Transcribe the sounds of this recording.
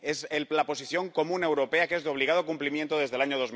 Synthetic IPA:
eselapo̞siθjo̞ŋkomũne̞wɾo̞pe̞akeezðeo̞β̞liɣað̞okumplimjent̪oð̞e̞zðe̞laɲo̞ðo̞z

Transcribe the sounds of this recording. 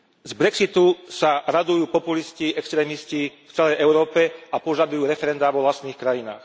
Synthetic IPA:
zbɾɛksit̪usaɾad̪ujuːpɔpulisciɛkst̪ɾɛːmiscift͡sɛlɛjʔɛʊɾɔːpɛapɔʒad̪ujuːɾɛfɛɾɛnd̪aːʋɔʋlast̪niːxkɾajina̰ːx

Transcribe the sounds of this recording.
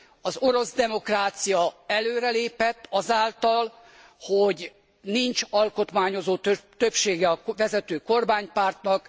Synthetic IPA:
ɒzoɾo̞zd̪ɛmo̞kraːt̪sijɒɛløːɾɛleːpɛt̪ːɒzaːlt̪ɒl | hoɟ | nint͡ʃɒlko̞t̪maːɲo̞zoːt̪t̪øpʃeːɡɛɒʋɛzɛt̪øːko̞rmaːɲpaːrt̪nɒk

